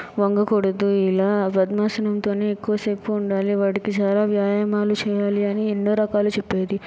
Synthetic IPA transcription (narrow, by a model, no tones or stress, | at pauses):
ʋɐŋɡɐkoɽɐd̪ːuilaːpɐd̪maːsɐnɐmt̪o̞ːneːekːuʋɐsekːuuɳɖaːliʋaːʈikit͡ʃaːlaːʋjaːjamaːlut͡ʃɛːjaːliɐnieɳɖːoːɾɐkaːlut͡ʃepːeːd̪i